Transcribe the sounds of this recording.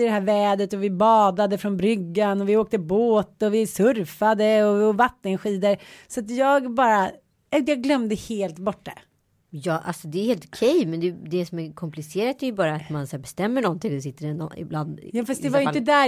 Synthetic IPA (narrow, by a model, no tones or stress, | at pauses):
ɪd̪ɛɦæːɾvɛːd̪ət̪ɔvɪbɑːd̪ad̪əfɾɔnbɾʏɡːanɔvɪoːk̚t̪əboːt̪ɔvɪsɵɾfad̪əɔɔvat̪ːənɧiːd̪əɾsɔat̪jɑːɡbɑːɾa | jɑːɡlœmd̪əheːlt̪bɔʈːa̰ | jɑːʔa̰lsɔd̪ɛːɾheːlt̪ɔ̥kʰɛjmɛnd̪ɛd̪ɛsɔmæɾkʰɔmplɪseːɾat̪æjɵbɑːɾaːt̪mansæːɾbɛst̪ɛmːəɳɔnt̪ɪŋɔd̪ɛsɪt̪ːəɾɛnɔ̰nɪ̰bland̪jɑːfast̪d̪ɛvajʏɪəd̪æ